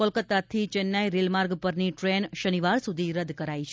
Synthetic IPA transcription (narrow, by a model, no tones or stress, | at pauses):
olkət̪ːat̪ʰit͡ʃɛnːaiɾelmaɾɡpəɾniʈɾenʃəniʋaɾsud̪ʱiɾəd̪kəɾait͡ʃʰ